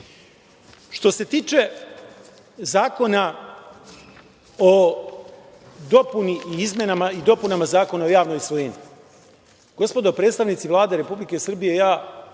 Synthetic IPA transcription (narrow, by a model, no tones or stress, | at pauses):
ʃt̪o̞se̞t̪iːt͡ʃe̞ | zaːko̞na | o | d̪o̞puniiizmʲje̞namaid̪o̞punamazaːko̞nao̞jaːʋnojsʋojeɲi | ɡ̥o̞t̪spo̞d̪opɾed̪st̪aʋnit̪siʋlˠaːd̪e̞ɾe̞publike̞sr̩bije̞jaː